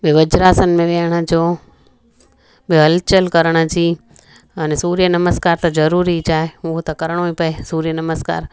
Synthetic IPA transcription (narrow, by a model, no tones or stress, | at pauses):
beʋəd͡ʒɾaːsənmẽʋeɽ̃ad͡ʒoː | beɦəlt͡ʃəlkəɾəɽ̃ət͡ʃiː | ɐnesuːɾijənɐməskaːɾt̪ɐd͡ʒɐɾuːɾit͡ʃaːɦeuɦot̪ɐkɐɾɽ̃oĩpɐesuːɾijənɐməska̰ːɾ